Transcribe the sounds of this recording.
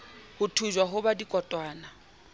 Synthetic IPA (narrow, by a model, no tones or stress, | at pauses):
hʊtʰud͡ʒwaɦʊbadikʼɔtʼwaːna